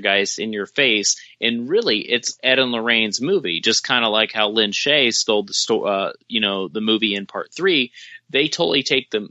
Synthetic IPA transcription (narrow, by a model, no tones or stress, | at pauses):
ɡaɪz̥ɨ̃njə˞feɪs | ʔɨ̃nɹɪlˠiʔɪtsɛɾə̃n̩lə˞ẽɪ̃nzmuvḭd͡ʒʌskʰãɪ̃ndəlaɪkhaʊlɪ̃nʃeɪstoʊlˠd̪̚ðəstɔʌjɨnoʊðɨmʉviɨ̃npʰɑ̰ɹt̪̚θɹiðeɪtʰoʊɾl̩ˠitʰeɪk̚ðɨ̃m